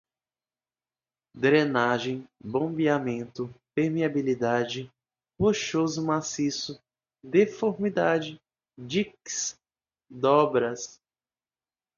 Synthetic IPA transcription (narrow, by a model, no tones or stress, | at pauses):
d̪ɾẽnaʒẽj̃bõbiamẽnt̪ʊpeɾmiabilid̪ad͡ʒɪ | hoʃozʊmasisʊ | d̪efoɾmid̪ad͡ʒɪ | d͡ʒiks | d̪ɔbɾɐs